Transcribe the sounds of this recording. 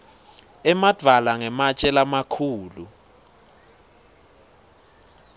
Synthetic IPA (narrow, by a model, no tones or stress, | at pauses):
ɛmad̥ʱalaŋɛmat͡ʃʼɛlamakʰuːlu